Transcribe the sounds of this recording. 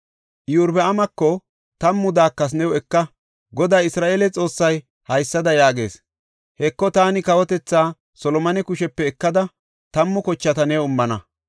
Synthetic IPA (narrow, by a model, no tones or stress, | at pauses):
ʔjuɾbɛɐmɐkːɔ | t̪ɐmːʊd̪aːkːɐs̬nɛwɛkːɐ | ɡɔd̪aːɪsɾaːʔeːlɛt͡sʼo̞ːsːɐj | hɐjsːɐd̪ɐjaːɡe̞̰ːs | hɛkːɔt̪aːnɪkɐwɔt̪ɛt͡sːaː | sɔlɔmɐnɛkʊʃɛpːɛːkːɐd̪ɐ | t̪ɐmːʊkɔt͡ʃːɐt̪ɐnɛʊmːɐnɐ